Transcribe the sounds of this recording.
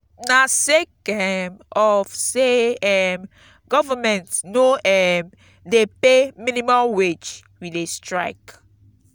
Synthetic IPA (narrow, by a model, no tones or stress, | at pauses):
nasekɛmɔfseɛm | ɡɔvamɛ̃ntnoɛm | depemĩnimãmwet͡ʃ | widestɹaɪk